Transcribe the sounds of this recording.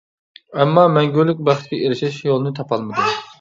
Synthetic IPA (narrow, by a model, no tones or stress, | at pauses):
ɛmːɑmɛŋɡʲyɾlːyk̚ʲbæχt̪k̪ʲɛʔeɾɪʃɛʃjolˠɨnɨt̪ʰɑpʰɑlˠmɨd̪u